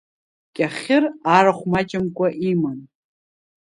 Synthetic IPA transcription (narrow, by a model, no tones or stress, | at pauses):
kʲʼaχʲɪraɾaχʷmat͡ʃʼɪmkʷʼaʔimɨn